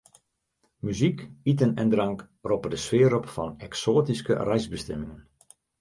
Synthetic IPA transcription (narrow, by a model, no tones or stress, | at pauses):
myzikitənɛndrɑŋk | ropərdəsʋɪːɾɔpfɑnɛksoːtiskə̰rɛjzbəstɛmɪŋən